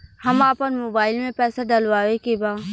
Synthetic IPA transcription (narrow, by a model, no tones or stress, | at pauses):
hɐmaːpənmoːbaːɪlmẽpɛːsaɖ̪ɐlʋaːʋekebaː